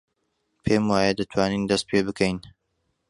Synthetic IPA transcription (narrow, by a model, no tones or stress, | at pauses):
pʰemwaːjɐd̪ɐt̪ʰwaːniːnd̪ɐst̪̚pʰebɨkʰɐjn